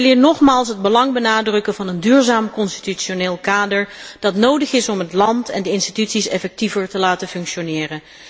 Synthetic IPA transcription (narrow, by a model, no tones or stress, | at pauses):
əlɪːɹnɔχmaːlˠsɦəd̚bəlɑŋbənaːdrɵkəvɑnəndyːɹzaːmkɔnsti̥tyʃoneːlˠkaːdəɹd̥ɑtnowdəχɪsɔmɦətlɑntɛ̰ndəɪnstitytsisɛfɛk̚tivəɹtəlaːtəfɵŋkʃonɪːrən